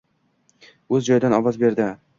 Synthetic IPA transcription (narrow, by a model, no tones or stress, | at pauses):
ɵzd͡ʒɒjd̪anɒvɒzbe̞ɾd̪ɪ